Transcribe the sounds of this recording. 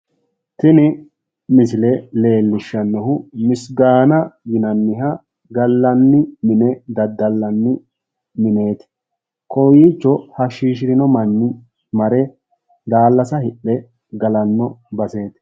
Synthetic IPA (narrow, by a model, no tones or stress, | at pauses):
t̪ɪnɪ | mɪsɪlɛle̞ːlːɪʃːɐnːɔhʊmɪsɡaːnɐjɪnɐnːɪɦɐ | ɡɐlːɐnːɪmɪnɛd̪ɐd̪ːɐlːɐnːɪ | mɪne̞ːt̪ɪ̥ | kɔjiːt͡ʃːɔhɐʃiːʃ̬ɪɾɪnɔmɐnːɪ | mɐɾɛ | d̪aːlːɐsɐhɪɗːɛ | ɡɐlɐnːɔbɐse̞ːt̪ɪ̥